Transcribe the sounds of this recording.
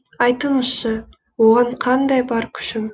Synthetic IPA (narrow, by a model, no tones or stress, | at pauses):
ɑjt̪əɴəz̥ʃə | woʁɑɴqʰɑnd̪ɑjbɑɾkʲʰʏ̥ʃɪm